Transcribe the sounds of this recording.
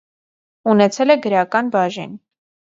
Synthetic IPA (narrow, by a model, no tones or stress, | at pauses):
unɛt͡sʰɛlɛɡəɾɑkɑnbɑʒḭn